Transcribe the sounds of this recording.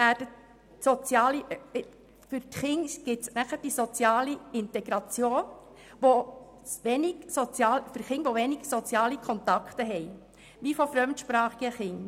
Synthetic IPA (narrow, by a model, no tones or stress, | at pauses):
ʋæːd̥ət | sɔt͡sjɑːli | fʏɾtχɪŋɡ̥ɪtsnæχəɾd̥isot͡sjɑːliɪnt̪ɛɡ̥ɾɑt͡sjoː | ʋo | ʋɛnɪɡ̥sot͡sjɑːlfɵɾχɪŋʋoʋɛnɪɡ̥sot͡sjɑːlikʰɔnt̪ɑkχt̪əɦɛj | ʋifofɾœmt̪ʃpɾɑːχiɡəχɪŋ